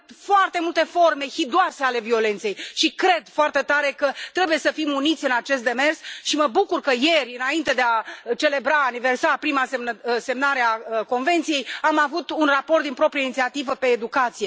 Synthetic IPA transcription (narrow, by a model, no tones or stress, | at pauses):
foart̪e̞mult̪e̞fo̞rme̞hid̪uase̞ale̞vio̞le̞nt̪se̞jʃikɾe̞d̪foart̪e̞t̪aɾe̞kət̪ɾe̞buje̞səfimunit̪sʲɨnat͡ʃe̞s̬t̪d̪e̞me̞rsʃiməbukurkəje̞rʲɨnaint̪e̞d̪eat͡ʃe̞le̞bɾaːniversapɾimasese̞mnaɾe̞ako̞nve̞nt̪sije̞jamavut̪unraport̪d̪inpɾo̞pɾijainit̪siat̪ivəpe̞ːd̪ukat̪sije̞